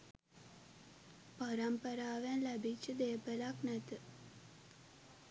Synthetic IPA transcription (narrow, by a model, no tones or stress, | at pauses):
paɾampəɾaːʋænlæbit͡ʃːəd̪eːəpəlaknæt̪ə